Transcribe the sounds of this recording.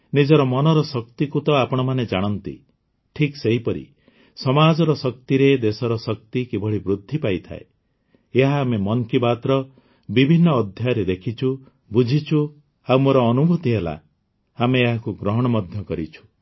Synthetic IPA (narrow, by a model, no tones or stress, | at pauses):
nid͡ʒɔɾɔmɔnɔɾɔsɔk̚t̪ikut̪ɔapɔɽ̃ɔmaned͡ʒaɽ̃ɔnt̪ḭ | ʈʰikseɦipɔɾḭ | sɔmad͡ʒɔɾɔsɔk̚t̪iɾed̪esɔɾɔsɔk̚t̪ikibʱɔɭibɾud̪ʱːipajt̪ʰa̰e | eɦaːmemɔŋkibat̪ɾɔ | bibʱinːɔːd̪ʱjajɾed̪ekʰit͡ʃʰu | bud͡ʒʱit͡ʃʰu | awmoɾɔːnubʱut̪iɦela̰ | ameːɦakuɡɾɔɦɔɽ̃ɔmɔd̪ʱjɔkɔɾit͡ʃʰu̥